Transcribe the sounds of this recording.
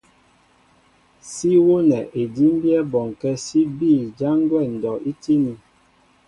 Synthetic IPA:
si˦wo˦nɛ˨ʔe˨di˦m˦bjɛ˦bɔ˨ŋ˨kɛ˦si˦biː˦˨d͡ʒa˦ŋ˦ɡwɛ˦˨n̩˨dɔ˨ʔi˦ti˦ni˨

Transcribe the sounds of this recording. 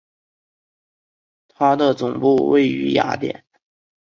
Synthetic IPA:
t̪ʰa˥d̪ə˨t͡sʊ˨˩ŋpu˥˧wḛ˥˩ɪy̰˧˥ja̰˧˥t̪jɛ̰˨˩˦n

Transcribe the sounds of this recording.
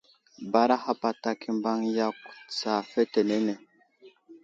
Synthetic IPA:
ba˦ɾa˦ha˦pa˨ta˦ki˦mba˦ŋja˦ksaː˨fɛ˦tɛ˨nɛ˦nɛ˨

